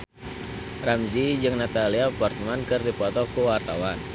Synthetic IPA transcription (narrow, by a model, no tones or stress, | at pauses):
ramzid͡ʒɨŋnat̪aliapɔrt̪mankɨrdipɔt̪ɔkuwart̪awan